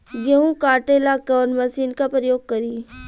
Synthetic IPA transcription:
jɐɦũkaːʈeːlaɡɐʋəɾnmɐsiːnkapɾəjoːɡ̚kɐɾiː

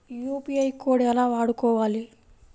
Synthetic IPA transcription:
juːpiɐjkoːɽɛlaːʋaːɽukɔːʋaːli

